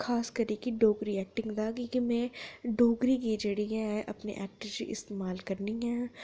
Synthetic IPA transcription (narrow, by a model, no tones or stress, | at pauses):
xaːskɐɾikiɖoːɡɾiɛːk̚ʈɪ̃ŋɡd̪aːkikimẽɖoːɡɾikid͡ʒɐɽiɦɛʔɐ̰pnḛʔɛːk̚ʈəɾd͡ʒḭʔɪ̰st̪eːmaːlkɐɾniɦɛ̃ː